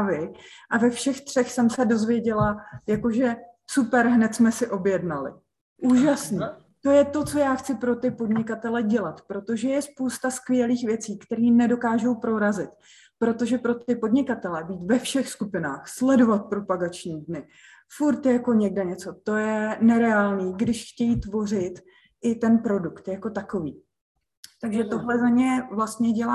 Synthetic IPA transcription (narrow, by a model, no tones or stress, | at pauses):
vɪʔavɛfʃɛxt̪r̝̥ɛxsɛmsɛdo̞zvjɛɟɛlajako̞ʒɛ | supɛɾɦnɛt̪smɛsɪʔo̞bjɛdnalɪ̰ | ʔuːʒasniː | t̪o̞jɛt̪o̞t͡so̞jaːxt͡sɪpɾo̞t̪ɪpo̞dɲɪkat̪ɛlɛɟɛlat̪pɾo̞t̪o̞ʒɛjɛspowst̪askvɪjɛliːxvjɛt͡siːkt̪ɛɾiːnɛdo̞kaːʒo̞wpɾo̞ɾazɪt̪ | pɾo̞t̪o̞ʒɛpɾo̞t̪ɪpo̞dɲɪkat̪ɛlɛbiːt̪vɛfʃɛxskupɪnaːxslɛdo̞vat̪̚pɾo̞paɡat͡ʃɲiːdnɪ | fuɾt̪jjako̞ɲɛɡdɛɲɛt͡so̞t̪o̞jɛnɛɾɛaːlniːɡdɪʃxcɛjit̪vo̞r̝ɪt̪ | ʔɪt̪ɛnpɾo̞dukt̪jako̞t̪ako̞viː | t̪aɡʒɛt̪o̞ɦlɛzamɲɛvlast̪ɲɛɟɛlaː